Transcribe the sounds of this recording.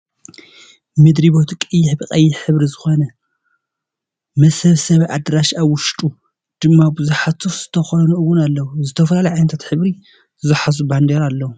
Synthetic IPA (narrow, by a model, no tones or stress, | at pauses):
mɨd̪ɾibo̞t̪kʼɨjːɪħbɨkʼɐjːɪħɨβɾizɨxonɐ | mɐsɐβsɐβʔad̪ɾaʃaβwʊʃt̪ʼu | d̪̥ɨmːabɨzuħat̪ʰufz̥ɨt̪ʰɐxonuɨwːʊnalːɐwuzɨt̪ʰɐfɐlalɐjʕajnɐt̪ʰat̪ħɨβɾi | ɨzɨħaz̬uband̪eɾalːɐwu